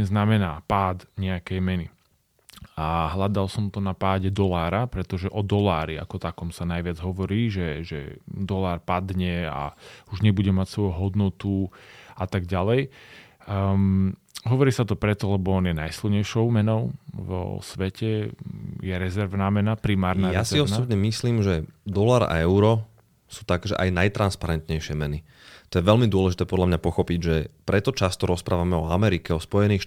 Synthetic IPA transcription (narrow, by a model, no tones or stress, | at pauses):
znamɛnaːpaːd̪ɲɛakɛjmɛni | aɦlad̪alsɔmt̪ɔnapaːɟɛd̪ɔlaːɾapɾɛt̪ɔʒɛʔɔd̪ɔlaːɾia̰kɔt̪akɔmsanajʋɪad͡zɦɔʋɔɾiːʒɛʒɛ̰d̪ɔlaːɾpad̪ɲɛa̰uʒɲɛbuɟɛmacsʋɔjuɦɔd̪nɔt̪uat̪aɡɟalɛj | ɦɔʋɔɾiːsat̪ɔpɾɛt̪ɔlɛbɔɔnjɛnajsilɲɛjʃɔʊmɛnɔʊvɔ̰sʋɛcʰɛ | jɛɾɛzɛɾʋnaːmɛnapɾimaːɾnaɾjɛasiɔsɔbɲɛmisliːmʒɛd̪ɔlaːɾa̰ɛʊɾɔ | su̥ːt̪aɡʒɛ̰ʔajnajt̪ɾanspaɾɛnt̪ɲɛjʃɪɛmɛni | t̪ɔjɛʋɛlmid̪ʊɔlɛʒit̪ɛːpɔd̪lamɲapɔxɔpiɟʒɛpɾɛt̪ɔt͡ʃast̪ɔɾɔspɾʔaːʋamɛɔamɛɾikɛɔspɔjɛniːxʃ